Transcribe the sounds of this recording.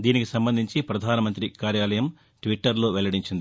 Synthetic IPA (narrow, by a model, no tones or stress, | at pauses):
d̪iːnikisɐmbɐnd̪ʱiɲt͡ʃipɾɐd̪ʱaːnɐmɐnt̪ɾikaːɾjaːlɐjɐm | ʈʋiʈːɐɾlo̞ːʋɛlɐɽiɲt͡ʃind̪